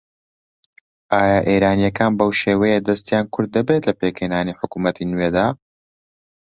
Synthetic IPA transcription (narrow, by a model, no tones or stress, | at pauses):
ʔaːjaːʔeːɾaːnijɐkʰaːnbɐwʃeːwɐjed̪ɐst̪jaːnkʰʊɾd̪̚ːɐbet̪lɐpeːkhenaːniːħʊkuːmɐt̪ʰinweːd̪aː